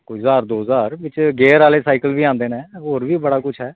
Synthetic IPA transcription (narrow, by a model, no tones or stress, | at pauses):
kʊzaːɾd̪oːzaːɾʋɪt͡ʃɡɛːɾaːleːsaːɪkəlʋiːãːnd̪eːnɛ̃ːɦoːɾʋiːbəɽaːkʊt͡ʃʰɦɛː